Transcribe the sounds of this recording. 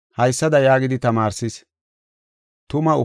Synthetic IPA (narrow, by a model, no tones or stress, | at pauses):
hɐjsːɐd̪ɐjaːɡɪd̪ɪt̪ɐmaːɾsɪs | t̪ʊmɐʊ̰